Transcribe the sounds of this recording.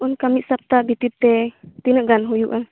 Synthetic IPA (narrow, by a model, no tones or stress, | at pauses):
unkamit̪ʔ̪̚sap̚t̪abʱit̪it̚t̪ːɛt̪inəʔɡanɦujuʔa